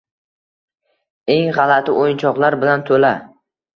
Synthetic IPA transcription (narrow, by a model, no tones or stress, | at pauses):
e̞ŋʁɑlat̪ʰɪʔojɪnt͡ʃʰɒqlˠaɾbɪlant̪ʰɵla